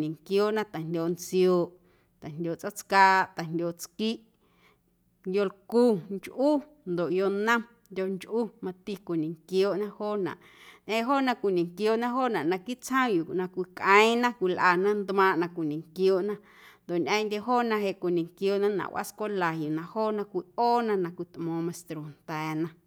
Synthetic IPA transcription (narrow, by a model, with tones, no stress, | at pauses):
nĩ˨ŋkjoː˦ʔnã˦t̪a˨ndʲo˧˨nt͡sjoː˨ʔ | t̪a˨ndʲoː˨t͡so˦t͡skaː˧ʔt̪a˨ndʲo˧˨t͡ski˦ʔ | ndʲo˧lku˦˨ŋt͡ʃʔu˦ | nd̪o˨ʔjo˧nã˦ | ndʲo˧ʔŋt͡ʃʔu˦mã˧t̪i˧kʷi˨nĩ˨ŋkjoː˧˦ʔnã˦hoː˦nã̰˨ʔ | ɲʔə̃˧˦ɦo˦˨nã˧kʷi˨nĩ˨ŋkjoː˨ʔnã˦ɦoː˦˨nã˨ʔnã˧ki˦t͡shə̃˦ju˨nã˧kʷi˧kʔə̃˦ĩ˦nã˦kʷi˧lʔa˧˨nã˦nd̪mãː˧˨ʔnã˧kʷi˨nĩ˨ŋkjoː˧˨ʔnã˦ | nd̪o˨ʔnʔə̃˧ndʲe˧ɦoː˦nã˧ɦe˧˨ʔkʷi˨nĩ˨ŋkjoː˧˨ʔnã˦nã̰˨wʔa̰˦skʷa˦la˨ju˨nã˧hoː˦nã˧kʷi˧ʔoː˦nã˧nã˧kʷi˧˨t̪ʔmõː˨˧mã˧˨st̪ɾo˨n̥t̪ɛː˨nã˧